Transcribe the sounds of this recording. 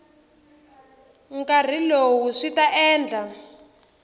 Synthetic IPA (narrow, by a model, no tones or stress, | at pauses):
ŋkar̤ilowuʂitaʔɛːnd͡ɮʱa